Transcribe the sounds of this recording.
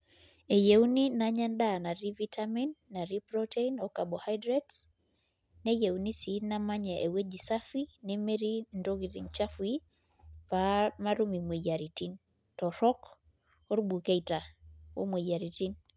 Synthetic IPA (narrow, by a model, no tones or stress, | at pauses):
ejewninaɲɛndanaɾivitʰaminːaɾipɾɔteinɔkabɔhajdɾɛts | nejewnisinamaɲɛʔewed͡ʒisafinɛmeɾindoɡiɾḭŋt͡ʃafwi | pamaɾumimwijaɾitin | tɔɾɔk | ɔɾbukeitawo̰mwejaɾitin